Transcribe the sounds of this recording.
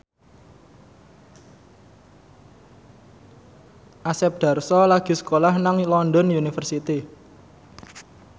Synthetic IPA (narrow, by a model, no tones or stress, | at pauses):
ʔasɛp̚d̪̥a̤rsɔlaɡ̥i̤sə̥kolahnaŋlɔndɔnjunifərsit̪i